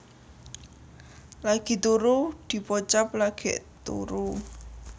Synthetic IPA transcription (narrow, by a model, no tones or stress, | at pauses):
laɡ̥i̤t̪uɾud̪̥i̤pɔt͡ʃaplaɡ̥eʔt̪ṵɾu